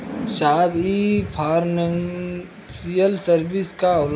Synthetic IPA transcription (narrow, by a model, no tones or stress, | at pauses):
ʃaːbipʰaːɾnəŋ | sijəlsəɾbɪskaʊl